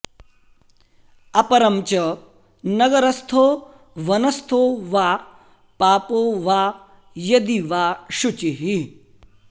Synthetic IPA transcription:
ɐpɐɾɐmt͡ʃɐ | nɐɡɐɾɐst̪ʰoː | ʋɐnɐst̪ʰoʋaː | paːpoːʋaː | jɐd̪iʋaːʃut͡ʃiɦi

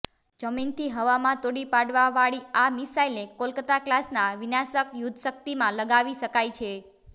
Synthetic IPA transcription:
d͡ʒəmint̪ʰiɦəʋamãt̪oɽipaɽʋaʋaɭiamisailnekolkət̪aklasnaʋinasəkjud̪ʱʃək̚t̪imãləɡaʋiʃəkajt͡ʃʰe

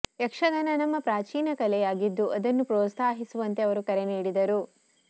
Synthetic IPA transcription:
jɐkʂɐɡ̪ɐnɐnɐmːɐpɾaːt͡ʃiːnɐkɐlɛjaːɡid̪ːuʔɐd̪ɐnːupɾɔːt̪saːɦisuʋɐnt̪eɐʋɐɾukɐɾeniːɽid̪ɐɾu

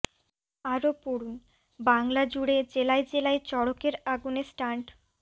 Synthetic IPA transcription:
aɾopoɽun | baŋlad͡ʑuɽed͡ʑelaed͡ʑelaet͡ɕɔɽokeɾaɡunesʈaɳʈ

